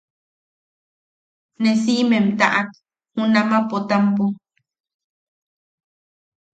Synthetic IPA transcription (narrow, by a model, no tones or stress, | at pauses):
nes̬iʔmẽmt̪aʔak | hũnamãpot̪ampu